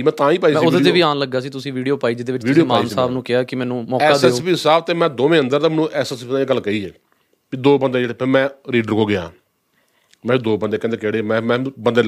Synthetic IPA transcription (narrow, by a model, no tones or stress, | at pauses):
imɛ̃ːt̪ãːiːpaːiːmɛ̃ːʊd̪ed̪eːʋiːaːnləɡːaːs̬iːt̪ʊsĩːʋiːɖijoːpaːiːd͡ʒd̪eːʋɪt͡ʃ̪ːsɖioːmãːnsaːbnũːkɪaːkɪmɛːnũːmɔːɛaːd̪ɛpiːɪsaːb̚t̪eːmɛ̃ːd̪oːmẽːənd̪əɾd̪aːmɛːnũːʔɛːsɛspiãːeɡəlkəiːɛː | piːd̪oːbənd̪eːd͡ʒeːɽepʰɪɾmɛ̃ːɾiːɖəɾɦoːɡɪã̰ː | mɛ̃ːid̪oːbənd̪eːkɛ̃ːnd̪eːkeːɽeːmɛ̃ːmɛ̃ːbənd̪eː